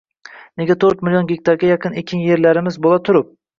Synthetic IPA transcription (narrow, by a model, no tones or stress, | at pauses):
neɡʲat̪ʰɵɾt̪mɪljonɡʲek̚ʲt̪ʰɑɾɡʲajɑqʰɨnekʲʰɪnje̞ɾlaɾɪmɪzbolˠat̪ʰʊɾʊp̚